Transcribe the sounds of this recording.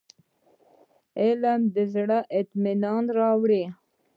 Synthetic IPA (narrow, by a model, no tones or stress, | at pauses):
elamd̪əzɽaʔɪt̪minɑːnɾɑːwɽi